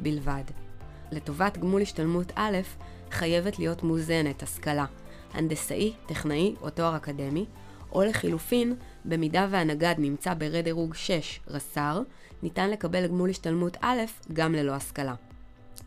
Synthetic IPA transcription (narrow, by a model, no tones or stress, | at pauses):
bilvad | le̞to̞vatɡmulhiʃtalmutʰale̞f | χaje̞ve̞tlijo̞tmuze̞ne̞thaskala | ha̰ndesa̰ʔiteχnaiʔo̞to̞aʁakade̞mi | ʔo̞le̞χilufin | be̞midave̞anaɡadnimt͡sabe̞ʁe̞deʁuɡʃe̞ʃʁasaʁ | nitanle̞kabe̞lɡmuliʃtalmutʰale̞fɡamle̞lo̞askala